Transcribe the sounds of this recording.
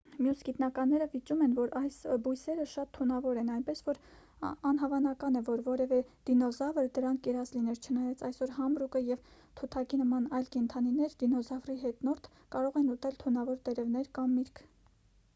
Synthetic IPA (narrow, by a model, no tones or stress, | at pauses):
mjusɡit̪nɑkɑnːɛɾəvit͡ʃumɛnvɔɾɑjsbujsɛɾəʃɑt̪ʰːunɑvɔɾɛnɑjnpɛsvɔɾ | ɑnɦɑvɑnɑkɑnɛvɔɾvɔɾɛvɛd̪̥inɔzɑvəɾd̪əɾɑŋkʰkɛɾɑzlinɛɾt͡ʃʰənɑjɑt͡sʰɑjsɔɾɦɑmɾukəjɛv | t̪ʰut̪ʰɑkinəmɑnɑjlkɛnt̪ʰɑninɛɾd̪inɔzɑvriɦɛt̪nɔɾt̪ʰ | kɑɾɔʁɛnut̪ɛlt̪ʰunɑvɔɾt̪ɛɾɛvnɛɾkɑmːiɾkʰ